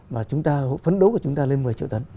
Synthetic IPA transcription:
vaː˨˩t͡ɕʊ˨˦ŋ͡mt̪aː˧ɦo̰˧˨jfə˨˦nɗo˨˦ku˧˩ə˩t͡ɕʊ˨˦ŋ͡mt̪aː˧le˧nmɨ˨˩əjt͡ɕḭ˧˨wt̪ə˨˦n

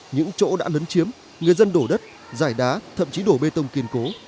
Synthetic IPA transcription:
ɲɨ̰˧˥ŋt͡ɕo̰˧˥ɗa̰ː˧˥ləː˨˦nt͡ɕi˨˦əm | ŋɨ˨˩əjzə˧nɗo˧˩ɗə˦˥t̚ | zaː˧˩jɗaː˨˦t̪ʰə̰˧˨mt͡ɕi˨˦ɗo˧˩ɓe˧t̪ə˧wŋ͡mki˧ənko˨˦

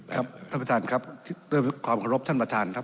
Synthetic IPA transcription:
a˦˥p̚t̪ʰa˥˩pɾa˧t̪ʰaː˧nkʰɾa˦˥p̪̚ʰɾeː˧˩kʰwaː˧mkʰa˧ɾo˦˥p̚t̪ʰa˥˩npɾa˧t̪ʰaː˧nkʰɾa˥p̚

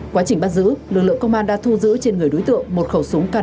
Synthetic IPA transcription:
kwaː˨˦t͡ɕï˨˩ŋ̟ɓaː˧˩zɨ̰˧˥lɨ˨˩k̚lɨ̰˧˨əkə˧ŋ͡mʔaː˧nɗa̰˧˥t̪ʰu˧zɨ̰˧˥t͡ɕe˧nŋɨ˨˩əjɗo˨˦jt̪ɨ̰˧˨əŋmo˨˩t̚xə˧˩wsʊ˨˦ŋkaː˧

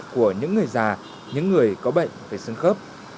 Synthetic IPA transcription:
ku˧˩əɲɨ̰˧˥ŋːɨ˨˩əjzaː˨˩ | ɲɨ̰˧˥ŋːɨ˨˩əjkɔ˨˦ɓə̰˧˨jŋ̟faː˨˩jsɨ˧ŋxəː˦˥p̚

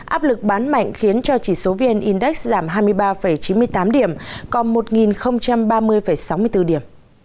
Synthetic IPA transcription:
ʔaː˦˥p̚lɨ˨˩k̚ɓaː˨˦nma̰˧˨jŋ̟xi˨˦ənt͡ɕɔ˧t͡ɕi˧˩so˨˦vi˧ə˧nʔi˧nɗɛ˦˥k̚zaː˧˩mɦaː˧jmɨ˧əjɓaː˧fə˧˩jt͡ɕi˨˦mɨ˧əjt̪aː˨˦mɗi˧˩əmkɔ˨˩nmo˨˩t̚ŋi˨˩nxə˧wŋ͡mt͡ɕa˧mɓaː˧mɨ˧əjfə˧˩jsa˨˦wmɨ˧ət̪ɨ˧ɗi˧˩əm

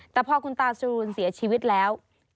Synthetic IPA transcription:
t̪ɛː˨˩pʰɔː˧kʰu˧nt̪aː˧˩su˧ɾu˧ənsi˩˦ət͡ɕʰiː˧wi˦˥t̪̚lɛː˦˥w

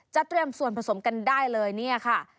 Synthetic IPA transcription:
t͡ɕa˨˩ʔt̪ɾi˧əmsu˨˩ənpʰa˧so˩˦mka˧ndaː˥˩jlɤː˧jni˥˩ɐkʰa˥˩

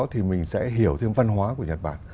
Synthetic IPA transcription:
t̪ʰi˨˩mï˨˩ŋ̟sɛ̰˧˥ɦi˧˩əwt̪ʰe˧mva˧nɦwaː˨˦ku˧˩əɲə˨˩t̚ɓa̰ː˧˨n

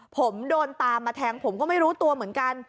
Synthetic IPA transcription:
pʰo˩˦mdoː˧nt̪aː˧mːaː˧t̪ʰɛː˧ŋpʰo˨˩˦mkɔː˥˩ma˥˩jɾuː˦˥t̪u˧ɐmɯ˩˦ənka˧n

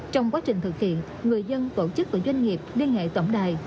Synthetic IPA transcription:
t͡ɕɔ˧wŋ͡mkwaː˨˦t͡ɕï˨˩ŋ̟t̪ɨ˨˩k̚hḭ˧˨ən | ŋɨ˨˩əjzə˧nt̪o˧˩t͡ɕɨ˦˥k̚vaː˨˩zwa˧jŋ̟ŋi˨˩əp̚li˧ənŋḛ˧˨t̪wə˧˩ŋ͡mɗaː˨˩j

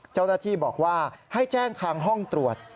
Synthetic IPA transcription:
t͡ɕa˥˩wnaː˥˩t̪ʰiː˥˩bɔː˨˩k̚waː˥˩ha˥˩jt͡ɕɛː˥˩ŋkʰaː˧ŋɦɔ˥˩ŋt̪ɾu˨˩ət̪̚

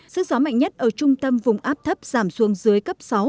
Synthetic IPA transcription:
sɨ̰˧˥zɔ˨˦ma̰˧˨jŋ̟ɲə˦˥t̚ʔəː˧˩t͡ɕʊ˧ŋ͡mt̪ə˧mvʊ˨˩ŋ͡mʔaː˦˥p̚t̪ʰə˦˥p̚z̥aː˧˩msu˨˦əŋzɨ˨˦əjkə˦˥p̚sa˨˦w

